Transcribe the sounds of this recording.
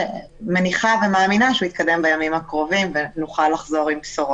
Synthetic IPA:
meniχave̞maaːminaʃeuit̪̚kade̞mbajamimhakʁo̞vimvenuχalːaχzo̞ʁimpsoʁo

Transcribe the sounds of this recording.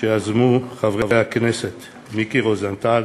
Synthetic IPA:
eazmuχavʁevejhakneset̪ | mikiʁozant̪al

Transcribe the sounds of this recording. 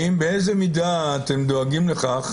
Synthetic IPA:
imbeejzemidaːtemd̪oaɡimleχaχ

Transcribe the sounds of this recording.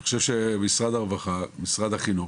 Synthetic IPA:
χoʃevʃemisʁad̪aʁvaχamisʁad̪haχinu

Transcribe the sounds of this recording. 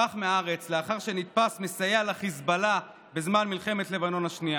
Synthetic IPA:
aχmeaaʁet͡sleaχaʁʃe̞nit̪̚pasmesajalaχizbala | be̞zmanmilχe̞me̞t̪le̞vano̞naʃnia

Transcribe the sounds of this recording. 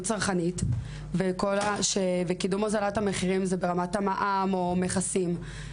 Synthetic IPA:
t͡saʁχanit | vekolaʃevekidumazalathame̞χiʁimzebe̞ʁamatamaʔamo̞meχasim

